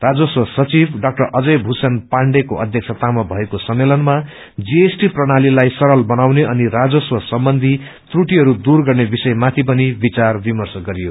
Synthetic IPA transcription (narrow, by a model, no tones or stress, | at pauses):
rad͡zʌswʌsʌt͡sibɖak̚ʈʌrʌd͡zʌjbʱusʌnpaɳɖekoʔʌ̰d̪ʱjʌk̚sʰat̪amʌbʱʌekosʌmːelʌnma | d͡ziesʈiprʌɽ̃alilajsʌɾʌlbʌnawneʔʌniɾad͡zʌswʌsʌmbʌnd̪ʱi | t̪ruʈiɦʌɾud̪urɡʌrnebisʌjmat̪ʰip̬ʌnibit͡sarbimʌrsʌɡʌɾijo